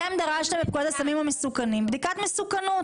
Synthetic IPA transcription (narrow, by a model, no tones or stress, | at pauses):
emd̪aʁaʃnamep̚ɡujat̪asamimhamesukanimbd̪ikat̪mesukanut